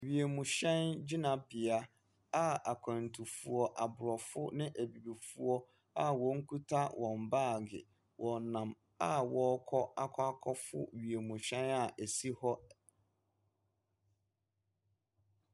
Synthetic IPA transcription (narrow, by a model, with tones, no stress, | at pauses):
ɥi˨e˨mũ˨ɕɛ̃˦nd͡ʑi˦nã˨bɪ˨a˦ | a˦a˨kʷʰã˨n˨tʰu˨fu˨ɔ˨ʔa˨bʊ˨ɾɔ˨fʊ˦nɪ̃˦ʔæ˨bi˨bi˨fu˦ɔ˦ | a˦wɔ̃˨˦ŋ̩˦kʰu˦tʰa˦wʔɔ̃˨m̩˨baː˦˨ɡɪ̰˨ | wʔɔ̃˨nnã˨m | a˦wɔ˨˦kʰɔ˦a˦kʷʰa˦kʰɔ˦fʊ̰˦ɥi˨e˨mũ˨ɕɛ̃˦na˨ʔæ˨si˦hɔ˦